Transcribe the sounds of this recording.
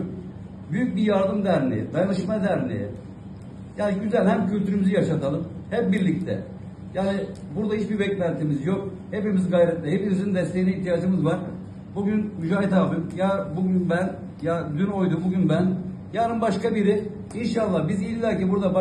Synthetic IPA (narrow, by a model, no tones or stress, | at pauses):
byjyc̚bijaɾd̪ɯmd̪æɾnʲḛɛ̰d̪ajanɯʃmad̪æɾnḛjɛ̰ | jaːnɟyzælʲɦæmcʰylʲt̪ʰyɾymyzijaʃat̪ʰalˠɯmhɛp̚biɾlʲict̪ʰɛ̰ | jaːni | buɾd̪aɦiʃbiɾbɛclʲænt̪ʰimizjo̞k | hepimizɡajɾɛt̪lʲɛɦepimizind̪ɛst̪ʰe̞jiniiçt̪ʰijaːd͡ʒɯmɯzvaɾ | buɟynmyd͡ʒaːɦit̪alˠb̪ɯmjabuɟynbæn | jad̪yno̞jd̪umbuɟynbæn | jaːnɯnbaʃkabiɾɪ | inʃalˠːahbizilʲbæɾcibuɾd̪ab